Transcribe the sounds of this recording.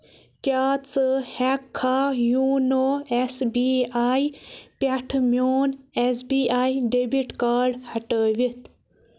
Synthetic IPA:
kaːt͡sɨhekʰːaːjuːnoːesbiaːjpɐʈʰmjoːnesbiːaːjɖebiʈkaːɾɖhɐʈəːʋit̪

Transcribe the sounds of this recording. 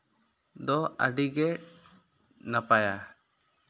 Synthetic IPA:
d̪ɔa̰ɖiɡɛʈ̚ | napaja

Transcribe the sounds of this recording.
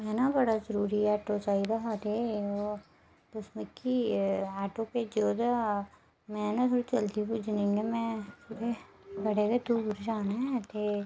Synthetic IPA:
mɛːnabɐɽazəɾuːɾiɛːʈot͡ʃaːid̪aɦat̪eo | pʊsmɪkːiɛːʈoped͡ʒoːd̪a | mɛ̃ːnat̪ʰoːɽit͡ʃɐld̪ibud͡ʒʱnẽŋɡemɛ̃t̪ʰoːɽe | bɐɽeked̪uːɾd͡ʒaːnaɦɛːt̪e

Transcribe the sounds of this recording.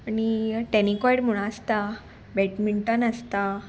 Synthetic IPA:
aniʈɛnikɔjɽm̤uɽ̃aəst̪a | bɛʈmiɳʈənəst̪a

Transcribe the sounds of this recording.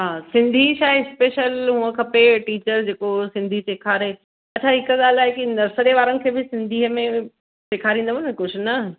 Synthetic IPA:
ɦaːsɪ̃nd̪ʱiʃaːɦɪɪspeːʃəlɦũːə̃kʰɐpeʈiːt͡ɕəɾd͡ʑeːkosɪ̃nd̪ʱiseːkʰaːɾe | ɐt͡ɕʰaɦɪkəɠaːlaːɦekinɐɾsəɾeʋaːɾənɪ̆kʰeːbɪsɪ̃nd̪ʱiːɦəmẽ | seːkʰaːɾĩːnd̪əʋonkʊd͡ʑʱʊnɐ

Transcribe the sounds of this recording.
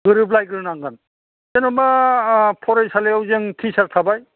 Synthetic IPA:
ɡɯɾɯblajɡɯɾɯnaŋɡan | enɔmapʰɔɾajsaleawzɯŋtʰisaɾtʰabaj

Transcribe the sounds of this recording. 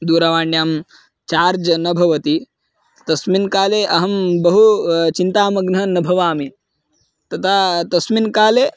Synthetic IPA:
d̪uːɾɐʋaːɳɖjaːm | t͡ʃaːɾd͡ʒɐnɐbʱɐʋɐt̪i | t̪ɐsminkaːleːʔɐɦɐmbɐɦut͡ʃint̪aːmɐɡnɐnɐbʱɐʋaːmi | t̪ɐt̪ʰaːt̪ɐsminkaːleː

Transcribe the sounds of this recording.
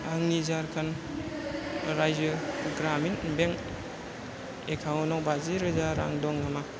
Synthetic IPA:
aŋnizaɾkʰan | ɾajzɯɡɾaminbeŋ | ekʰawɔnɔkbaziɾɯzaɾa̰ŋdɔŋama

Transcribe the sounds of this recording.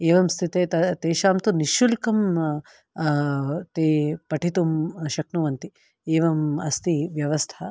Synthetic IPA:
eːʋɐmst̪ʰit̪eːt̪ɐt̪eːʃaːmt̪uniʃulkɐm | t̪eːpɐʈʰit̪umʃɐknuʋɐnt̪i | eːʋɐmɐst̪iʋjɐʋɐst̪ʰɐ

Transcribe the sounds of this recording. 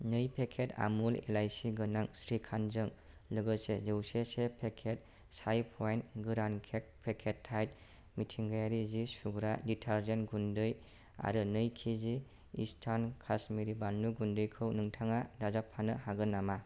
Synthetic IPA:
nɯjpʰekʰeta̰mulḛlajsiɡɯnaŋsɾikʰanzɯŋ | lɯɡɯsezɯwsesepʰekʰet̚ | sajpʰɔjnɡɯɾankʰek̚pʰekʰetʰːajt | mitʰiŋɡajaɾizisʰuɡɾaditʰaɾzenɡundɯj | a̰ɾɯnɯjkʰizi | ḭstʰankʰasmiɾibanːuɡundɯjkʰɯwnɯŋtʰaŋaɾazapʰːanɯhaɡɯnːama

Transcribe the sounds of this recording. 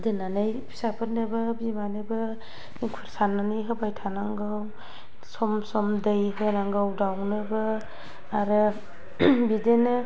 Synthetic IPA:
dɯnanɯjpʰi̥sapʰɯtnɯbɯbimanɯbɯ | ikʰuɾsananɯjɦɯbajtʰanaŋɡɯw | sɔmsɔmdɯjɦɯnaŋɡawdawnɯbɯ | aɾɯ | bidenɯ

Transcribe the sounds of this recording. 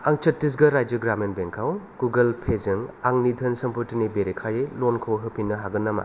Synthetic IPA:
aŋt͡ʃɐtːis̬ɡɐɾajd͡ʒɯɡɾamenbeŋkʰaw | ɡ̥uɡɐlpʰezɯŋaŋnidʰʱɐnsɐmpʰɯɾtinibeɾekʰajelonkʰowɦɯpʰinːɐɦaɡɯnːama̰

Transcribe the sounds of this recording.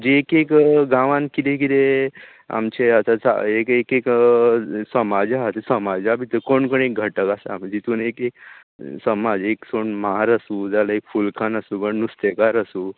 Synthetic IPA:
d͡ʑeːkekɡãʋãnkit̪ek̬it̪e | a̰mt͡ɕeat̪at͡sa̰ekekek | səmad͡zaɦat̪esəmad͡zabʱit̪əkoɳkoɳek̚ɡʱəʈəkasa̰md͡ʑit̪uːnekek̚ | səmad͡zeksoɳmaɾasuːd͡zalaekfulkʰanasuːkəɳnust̪ekaɾasuː

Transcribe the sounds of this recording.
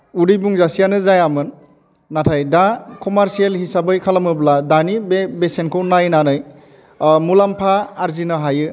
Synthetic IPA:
uɾijbuŋzasijanɯzajamɯnː | atʰajdakɔmaɾsielhisabɯjkʰalamɯbladanibbesenkʰɯwnajnanɯj | mulampʰaːɾzinɯɦajɯ

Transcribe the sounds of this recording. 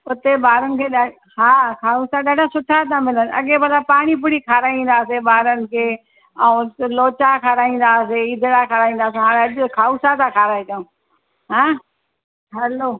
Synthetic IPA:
ʊt̪ebaːɾənɪ̆kʰeːɗa | haːkʰaːusaɗaɖʱasʊʈʰat̪ʰãmɪlənʔɐ̰ɠebɐlapaːɽ̃ip̬ʊɽikʰaːɾaːĩːn̆d̪aːseɓaːɾənɪ̆kʰeː | ɛ̃loːt͡ʃakʰaɾaːĩːn̆d̪aːseid̪ʱɪɽakʰaːɾaːĩːn̆d̪aːseɦaːɽɐʄʊkʰaːuːsat̪ãkʰaːɾaːet͡ɕɐõː | ɦãː | ɦɛloː

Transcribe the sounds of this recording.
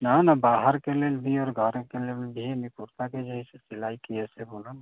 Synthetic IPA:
nanabaɦəɾkelelbʱiɔːɾɡʱəɾkelelbʱimipuɾt̪aked͡ʒəɦiset͡ʃilaikijɛsɛbolu

